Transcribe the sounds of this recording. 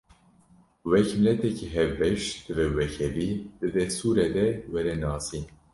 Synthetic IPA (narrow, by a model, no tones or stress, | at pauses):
wɛkmɪlɛt̪ʰɛkʰiɦɛvbɛʃd̪̥ɨvɛwɛkʰɛd̪id̪̥ɨd̪ɛst̪uːɾɛd̪ɛwɛɾɛnɑːsin